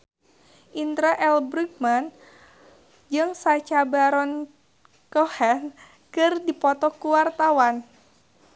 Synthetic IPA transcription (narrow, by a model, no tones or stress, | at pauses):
ʔint̪ɾaʔɛlbɾik̚man | d͡ʒɨŋsat͡ʃabaɾɔn | kɔhɛn | kɨrdipɔt̪ɔkuwart̪awan